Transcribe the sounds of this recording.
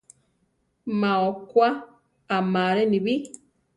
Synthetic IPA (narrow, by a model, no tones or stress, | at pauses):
maɔkwa | amaɾɛnibi